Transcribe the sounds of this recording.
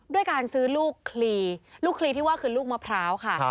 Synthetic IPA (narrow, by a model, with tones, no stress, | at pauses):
du˥˩əjkaː˧nsɯː˦˥luː˥˩kʰːliː˧luː˥˩kʰliː˧t̪ʰiː˥˩waː˥˩kʰɯː˧luː˥˩k̚maː˧pʰɾaː˦˥wkʰa˥˩